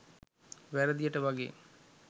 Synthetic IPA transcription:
ʋæɾəd̪ijəʈəʋaɡḛː

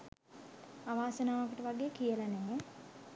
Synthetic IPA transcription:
aʋaːsənaːʋakəʈəʋaɡekijəlaneme

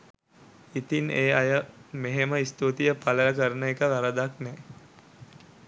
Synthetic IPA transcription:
it̪ineːajəmeɦeməist̪ut̪ijəpaləjəkəɾənəekəʋaɾəd̪aknɛː

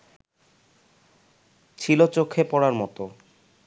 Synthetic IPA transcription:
t͡ɕʰilot͡ɕokʰːepɔɽaɾmɔt̪o

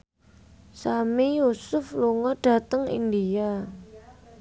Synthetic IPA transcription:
samijusʊfluŋɔɖ̥a̤t̪əŋḭndia

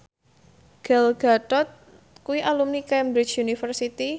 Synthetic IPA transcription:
ɡ̥alɡ̥at̪ɔt̪̚ | kuwiʔalumnikɛmbɾit͡ʃjunifərsit̪i

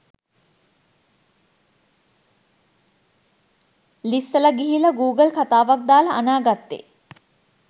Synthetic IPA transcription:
lisːələɡiɦiləɡuːɡəlkat̪aːʋak̚d̪aːləʔanaːɡat̪ːḛ

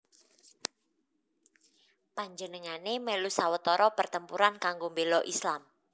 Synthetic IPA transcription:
paɲd͡ʒənəŋanemɛlusawət̪ɔɾɔpərt̪əmpuɾankaŋɡombelɔʔislam

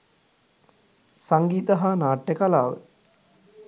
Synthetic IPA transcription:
saŋɡiːt̪əɦanaːʈːəkalaːʋə̰

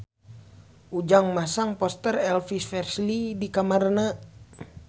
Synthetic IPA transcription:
ʔud͡ʒaŋmasaŋpɔst̪ərɛlfisfɛrslidikamarna

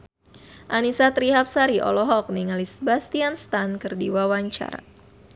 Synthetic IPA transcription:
ʔanisat̪ɾiɦap̚saɾiʔɔ̰lɔɦɔk̚niŋalisəbast̪ianst̪ankɨrdiwawaɲt͡ʃa̰ɾa̰

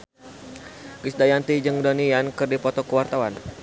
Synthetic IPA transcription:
ɡisdajant̪id͡ʒɨŋdonijankɨrdipɔt̪ɔkəwart̪awan

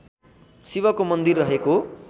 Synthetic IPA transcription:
siβʌkomʌnd̪irːʌɦeko

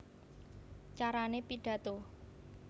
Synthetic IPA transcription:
t͡ʃaɾanepiɖ̥a̤t̪o

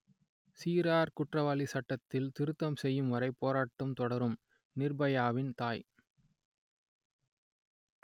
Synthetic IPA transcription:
siːɾaːɾkʊʈrɐʋɐlisɐʈːɐt̪ːɪlt̪ɪɾɯt̪ːɐmsɛjːɯmʋɐɾɐɪpːoːɾaːʈːɐmt̪ɔɽɐɾɯm | nɪrbɐjaːʋɪnt̪aːj

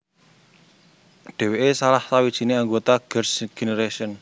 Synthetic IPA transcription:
ɖ̥e̤weʔesalahsawid̥ʒ̥i̤neaŋɡot̪aɡ̥ərsɡ̥eneɾeʃɔn

